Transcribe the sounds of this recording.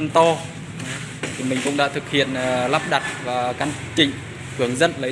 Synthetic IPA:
nt̪ɔ˧˨ | t̪ʰi˨˩mï˨˩ŋ̟kʊ̰˧˥ŋ͡mɗa̰ː˧˥t̪ʰɨ˨˩k̚hḭ˧˨ənː˨˩la˦˥p̚ɗa˨˩t̚vaː˨˩ka˧n | t͡ɕï˧˨ŋ̟ | kɨ˨˩əŋzə˧nlə˨˦

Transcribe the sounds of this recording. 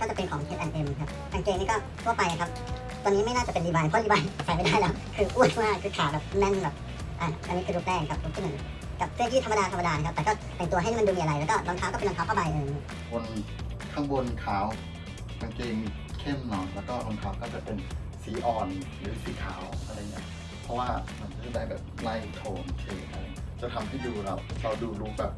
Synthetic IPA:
kɔː˥˩t͡ɕa˨˩pe˧nkʰɔː˨˦ŋkʰeː˧˦˥t̪̚ʔɛ˧nʔe˧m˧kʰa˦˥p̚ʔa˧nkeː˧ŋni˥˩kɔː˥˩ | t̪ʰu˥˩ɐpa˧jʔa˨kʰa˦˥p̚ | t̪ɔː˧nːiː˦˥ma˥˩jnaː˥˩t͡ɕa˨˩pe˧liː˧˩baː˧jpʰɔ˥liː˧ba˧n˨˩sʰa˨˦ma˥˩daː˥˩jlɛː˦˥wkʰɯː˧ʔu˥˩˨t̪ʰwmaː˥˩kʰɯː˧kʰaː˨˩wbɛː˨˩p̚nɛ˧˥˨nbɛː˨˩p̚ | ʔaː˨˩ʔa˧niː˦˥kʰɯ˧lu˦˥k̚lɛː˥˩k̚a˧˩kʰp̚du˧˥kʰiː˥˩˨ɯ˩˦ | ka˨˧˩p̪̚ʰɯ˥˩˨ŋʰiː˥˧˦t̪ʰa˧ma˧daː˧t̪ʰma˧daː˧n˧kʰa˦p̚t̪ɛ˨˩kɔː˥˩t̪ɛː˨˩ŋt̪u˧ha˩jm˧duː˧miː˧ʔɾa˧jlɛ˦˥wkɔː˥˩ba˧ŋk̪ʰaː˦˥wkɔː˥˩e˧lŋʰaː˦wpʰa˥˩baː˧jʔɤː˧˩i˧˩ | bo˧n | k̪ʰa˥˩ŋbo˧nkʰaː˨˦w | ma˧nkeː˧ŋ | kʰe˥˩mnɔː˨˩jlɛː˦˥wkɔː˥˩bo˧nkʰaː˦˥wkɔː˥˩t͡ɕa˨˩pe˧n | siː˨˩˦ʔɔː˨˩n | ɾɯː˨˩˦siː˩˦kʰaː˩˦wʔa˧ɾa˧˩jni˦˥ɐ | pʰɔ˦˥waː˥˩ma˧nkʰa˧˥a˧˩daː˥˩jbɛː˨˩p̚la˥˩jt̪ʰoː˧˩nt͡ɕʰeː˧kʰa˧˩˨t͡ɕa˨˩t̪ʰa˧mt̪ʰaː˥˩duː˧ɾa˧˩wɾa˧wduː˧lu˦˥k̚bɛː˨˩p̚

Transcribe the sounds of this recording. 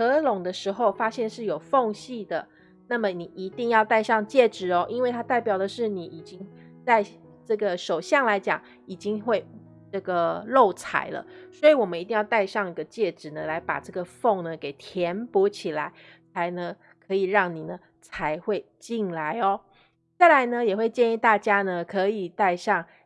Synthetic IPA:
ɤ˧˥lʊ˨˩ŋd̪ə˧ʂɻ̩˧˥xo˥˧ʊfa˥ɕjɛ˥˧nʂɻ̩˥˩jo˨˩ʊfo˥˧ŋɕi˥˩d̪ə˩ | na˥˩mə˨ni˨˩ʔi˧˥t̪i˥˧ŋjɑ˥˧ʊt̪a˥˧ɪʂɑ˥˧ŋt͡ɕjɛ˥˩ʈ͡ʂɻ̩˨˩ɔ˦ʔi˥nwe˥˩ɪt̪ʰa˥t̪a˥˩ɪpjɑ˨˩ʊd̪ə˩ʂɻ̩˥˩ni˨˩ʔi˨˩t͡ɕi˥ŋt͡sa˥˧ɪ | ʈ͡ʂɤ˥˩ɡə˩ʂo˨˩ʊɕjɑ˥˩ŋla˧˥ɪt͡ɕjɑ̰˨˩˦ŋ | i˨˩t͡ɕi˥ŋxwe˥˩ɪ | ʈ͡ʂɤ˥˩ɡə˩lo˥˩ʊt͡sʰa̰˨˩˦ɪlə̰˧swɔ˧˥i˨˧˦wɔ˨˩mə˦ni˧t̪i˥˧jɑ˥˧ʊt̪a˥˧ɪʂɑ˥˧ŋi˧˥ɡə˧t͡ɕjɛ˥˩ʈ͡ʂɻ̩˨˩nə˦la˧˥ɪpa̰˨˩ʈ͡ʂɤ˥˩ɡə˩fo˥˩ŋnə˩ke˨˩ɪt̪ʰjɛ˧˦npɔ˧˥t͡ɕʰi˨˩la˧˦ɪt͡sʰa˧˥ɪnə˧ŋ | kʰɤ˧˥i˨˩ɻɑ˥˩ŋni˨˩nə˦ | t͡sʰa˧˦ɪxwe˥˧ɪt͡ɕi˥˩nla˧˦ɪɔ˨˩ | t͡sa˥˩ɪla˧˦ɪnə˧jɛ˨˩xwe˥˧ɪt͡ɕjɛ˥˧ni˥˧t̪a˥˩t͡ɕja˥nə˨kʰɤ˧˦i˨˩t̪a˥˧ɪʂɑ˥˩ŋ

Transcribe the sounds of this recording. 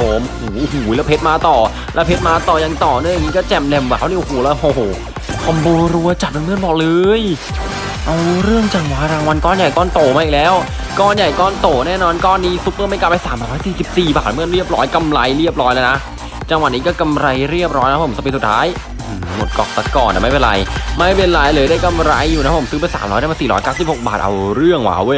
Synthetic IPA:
pʰo˨˩m˧huː˨˩˦ʔhuː˩˦jlɛː˦˥wpʰe˦˥t̪̚maː˧t̪ɔː˨˩ | lɛː˦˥wpʰe˦˥t̪̚maː˧t̪ɔː˨˩ja˧ŋt̪ɔː˨˩nɯ˥˩ŋja˨ŋːiː˦˥kɔː˥˩t͡ɕɛ˨˩mlɛ˧˩mwaː˨˦wniː˧˥˨ʔo˨˧˩hoː˨˩˦lɛ˦˥hoː˧˩hoː˨˩ | kʰa˧mboː˧ɾu˧ɐt͡ɕa˨˩no˧nɯ˥˩˨nlɔː˨˩k̚lɤː˧j | ʔa˧wɾɯ˥˩əŋt͡ɕa˧ŋwaː˨˧˩ɾaː˧ŋwa˧nkɔː˥˩nja˨˩jkɔː˥˩nt̪oː˨˩maː˧˥ʔi˨˩k̚lɛː˦˥w | kɔː˥˩nja˨˩jkɔː˥˩nt̪oː˨˩nɛː˥˩nɔː˧nkɔː˥˩nːiː˦˥su˦˥p̚ːɤː˥˩ma˥˩kaː˧˩pa˧jsaː˩˦m˧ɔː˦˥jsiː˨˩si˨˩p̚siː˨˩ba̰ː˨˩t̪̚mɯ˥˩˨nɾi˥˩əp̚ɾɔ̰ː˦˥jka˧mɾa˧jɾi˥˩əp̚ɾɔː˦˥jlaː˧na˦˥ | t͡ɕa˧ŋwa˨˩t̚niː˦˥kɔː˥˩ka˧mɾa˧jɾi˥˩əp̚ɾɔː˦˥jna˦˥pʰmkɔ˥˩pe˧su˨˩t̪ʰːa̰ː˦˥j | ɯː˧˩mo˨˩t̪̚kɔ̰˨˩t̪a˨˩kɔː˨˩nʔaː˨˩ma˥˩pe˧nɾa̰˧jma˥˩jpe˧nlaː˨˦jlɤː˧jda˥˩jka˧mɾa̰˧jːuː˨˩na˦˥pʰo˩˦sɯː˦˥pe˧nsa̰ː˨˩˦mɾɔː˦˥jda˥˩ma˧siː˨˩ɾɔ̰ː˦jkaː˥˩wsi˨˩p̚ho˨˩k̚baː˨˩t̪̚ʔa̰˧wɾɯ˥˩əŋwa̰ː˨˦wu˧˩˨j

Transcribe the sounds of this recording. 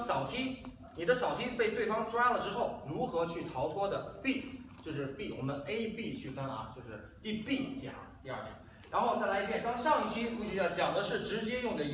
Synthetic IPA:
ɕɑ˨˩ʊt̪ʰi˥ | ni˨˩d̪ə˦ɕɑ˨˩ʊt̪ʰi˥pe˥˧ɪt̪we˥˩ɪfɑ˥ŋʈ͡ʂwa˥lə˨ʈ͡ʂɻ̩˥xo˥˩ʊɻu˧˥xɤ˧˥t͡ɕʰy˥˩t̪ʰɑ˧˥ʊt̪ʰwɔ˥d̪ə˨pi˥˩t͡ɕjo˥˧ʊʂ̬ɻ̩˥˧pi˥˩wɔ̰˨˩mə˦ne˥ɪpi˥˧t͡ɕʰy˥˩fa˥n˨ɐ̰˩t͡ɕjo˥˧ʊʂɻ̩˥˧ | t̪i˥˧pi˥˩t͡ɕja̰˨˩˦t̪i˥˧ɐ̰˞˥˩t͡ɕja̰˥˩˦ | ɻa˧˥nxo˥˧ʊt͡sa˥˩ɪla˧˥i˥˩pʰjɛ˥˩kɑ˥ŋʂɑ˥˧ŋi˥˩t͡ɕʰi˥fu˥˩ɕy˥jɑ˥˩t͡ɕjɑ˨˩ŋd̪ə˦ʂɻ̩˥˩ʈ͡ʂɻ̩˧˥t͡ɕjɛ˥jʊ˥˩ŋd̪ə˩

